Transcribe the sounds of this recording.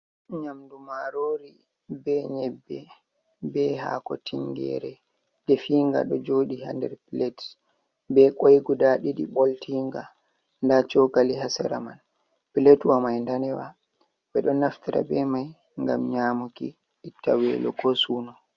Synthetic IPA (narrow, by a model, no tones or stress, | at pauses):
ɲamdumaɾoːɾi | bɛɲɛbːɛ | bɛha̰kɔ̰tʰiŋɡɛ̰ɾɛ | dɛfiŋɡa̰ɗɔd͡ʒoːɗihandɛ̰ɾpilɛt | bɛkʼojɡudaɗiɗiɓoltiŋɡa | ndat͡ʃɔɡaliɦasɛ̰ɾaman | pilɛtwamajndanɛwa̰ | ɓɛɗɔnaftiɾa̰bɛmaj | ŋɡa̰mɲamuki | ɗitːa̰wɛlɔɡɔsuːnɔ